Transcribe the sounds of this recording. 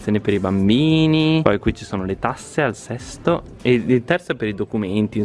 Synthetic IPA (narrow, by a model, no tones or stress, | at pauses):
joːnepeɾibambiːnipɔjkwit͡ʃisoːnolet̪asːealsɛst̪o | eit̪ɛrsɛpeɾid̪okument̪i